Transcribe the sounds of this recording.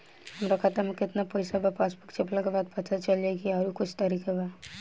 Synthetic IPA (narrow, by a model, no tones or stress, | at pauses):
hɐmɾakʰat̪əɾmẽkɪt̪napɛɪsabapaːsbʊkt͡ʃʰeplakebaːd̪̚pɐt̪ʰat͡ʃɐld͡ʒakiaːɾukʊt͡ʃʰt̪aɾiːkaba